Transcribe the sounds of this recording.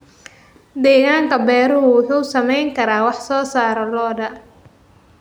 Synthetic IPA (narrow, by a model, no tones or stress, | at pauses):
d̪ɛːɣaːŋkʰɐbɛːɾʊɦʊwʊħuːsɐmɛjŋkʰɐɾaːwɑħsɔːsaːɾɔlɔːɖɐ